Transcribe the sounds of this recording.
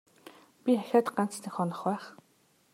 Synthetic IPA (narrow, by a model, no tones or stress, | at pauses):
pʲiχæxʲaːt̪ɢan̥t͡snĭxɔnɞ̆χwæːχ